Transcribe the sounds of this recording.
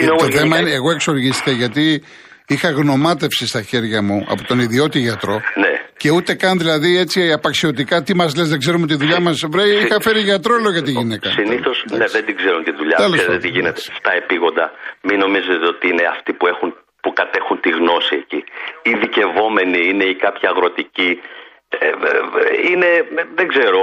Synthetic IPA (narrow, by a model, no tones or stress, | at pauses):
inot̪oθθe̞mɐineːɣo̞e̞kso̞ɾʝist̪i̥kɐʝɐt̪i | ixɐɣno̞mɐt̪̬e̞fsist̪ɐçe̞ɾʝɐmuɐ̰po̞t̪o̞niðio̞t̪iʝɐt̪ɾo̞nece̞ut̪e̞kɐnðilɐðie̞t͡siɐpɐksio̞t̪̬ikɐt̪imɐzle̞zðeɡze̞ɾumot̪iðuʎɐmɐsvɾejixɐfe̞ɾiʝɐt̪ɾo̞eloʝɐt̪iʝinekɐsiniθo̞sneðend̪iɡzeɾunt̪iðuʎɐt̪ɐlset̪iʝinet̪est̪ɐe̞piɣo̞nd̪ɐmino̞mize̞t̪eo̞t̪iine̞ɐft̪ipue̞xun | pukɐt̪e̞xunt̪iɣno̞sieciiðice̞vo̞me̞niine̞ikɐpçɐːɣɾo̞t̪ici | ine̞ðeɡze̞ɾo̞